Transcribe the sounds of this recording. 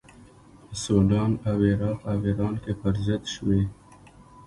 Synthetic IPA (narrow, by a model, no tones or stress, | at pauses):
əsoɖɑːnaweɾɑːqaweɾɑːnkepaɾzat̪ʃwe